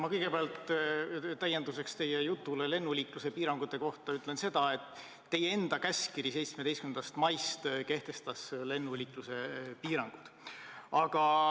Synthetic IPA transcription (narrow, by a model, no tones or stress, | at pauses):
mɑkɤjɡ̥e̞peɑlt̪ː | t̪æje̞nd̪use̞kst̪e̞jejut̪ːˑulele̞nːulʲikˑluse̞piːɾɑŋɡ̥ut̪ːˑe̞ko̞ht̪ɑyt̪ˑle̞nse̞d̪ɑe̞t̪ː | e̞jee̞nd̪̥ɑkæskiɾis̬e̞jt̪smed̪ejstkymend̪ɑst̪mɑjst̪ke̞ht̪e̞st̪ɑsle̞nːulʲikˑluse̞piːɾɑŋɡ̥ud̪̥ɑɡ̥ɑ